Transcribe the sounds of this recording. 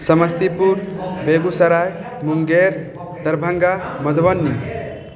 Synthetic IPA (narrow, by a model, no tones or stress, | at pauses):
sɐməst̪ipuɾbeɡusɐɾaj | muŋɡeɾ | d̪ɐɾbʱəŋɡamɐd̪ʋɐnːi